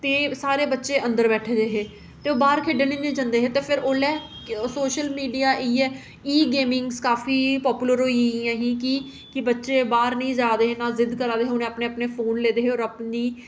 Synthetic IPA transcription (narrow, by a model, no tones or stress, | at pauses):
t̪eːsaːɾeːbətːʃeːʔə̃nd̪əɾbɛːʈʰeːd͡ʒeːɦeː | t̪eːoːbaːɾkʰeːɖenĩːnĩːd͡ʒə̃nd̪eːɦeːt̪eːpʰɪɾoːlɛː | soːʃəlmiːɖijaːʔiːɛː | iːɡeːmɪ̃ŋɡskaːfiːpɔːpuːləɾɦoːiiãːɦĩːkɪ | kɪbətːʃeːbaːɾnəĩːd͡ʒaːd̪eːɦeːnaːzɪd̪kəɾaːd̪eːɦeʊnẽːəpneːəpneːpʰoːnleːd̪eːɦeːɔːɾəpniː